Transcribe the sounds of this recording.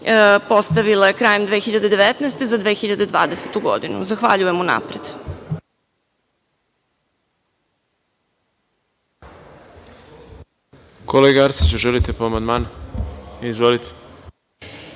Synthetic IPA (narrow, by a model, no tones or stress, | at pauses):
po̞st̪aʋilajekɾaːjemd̪ʋeːxiʎad̪ed̪eʋet̪nɛːst̪e̞zad̪ʋeːxiʎad̪e̞d̪ʋa̰ːd̪e̞set̪uɡo̞̰d̪inṵzaxʋa̰ʎujemuna̰pɾed̪̥ | kʰoleɡaaɾsit͡ɕuʒelit̪epoamand̪maːn | izʋolit̪ʰe̥